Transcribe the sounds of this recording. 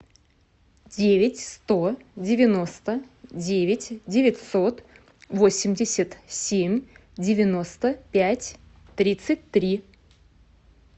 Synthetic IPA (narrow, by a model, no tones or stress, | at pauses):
dʲevʲɪtʲst̪o̞dʲɪvʲɪno̞st̪ə | dʲevʲɪtʲdʲɪvʲɪtʲso̞t̪ | vo̞sʲɪmʲdʲɪsʲət̪sʲemʲdʲɪvʲɪno̞st̪əpʲætʲ | t̪ɾʲit̪sɨtʲt̪ɾʲi